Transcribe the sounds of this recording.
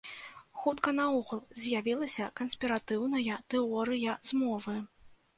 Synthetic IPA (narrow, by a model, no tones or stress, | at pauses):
xut̪kɐnɐɔɣulˠzʲjavʲilˠɐsʲɐkɐnsʲpʲiɾat̪ɨwnɐjɐt̪ɨɔɾɨjɐzmɔvɨ